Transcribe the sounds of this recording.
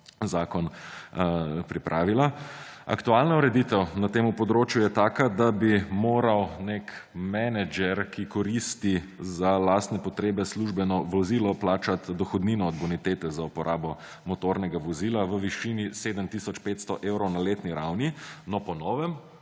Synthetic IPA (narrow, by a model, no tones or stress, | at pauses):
zaːkɔn | pɾipɾʔaːʋilaa̰kt̪ualnauɾɛd̪it̪ɛwnat̪eːmupɔd̪ɾoːt͡ʃjujɛt̪aːkad̪abimoːɾawnekmɛnɛd͡ʒɛɾkikɔɾist̪izalast̪nɛpɔt̪ɾeːbɛsluʒbɛnɔʋɔzilɔplaːt͡ʃat̪d̪ɔxɔd̪niːnɔːd̪bɔnit̪eːt̪ɛzaupɔɾʔaːbɔ | mɔt̪oɾnɛɡaʋɔziːlaʋəʋiʃiːniseːd̪əmt̪isɔt͡ʃpet̪st̪ɔʔeːwɾɔwnaleːt̪niɾawninɔpɔnɔːʋɛm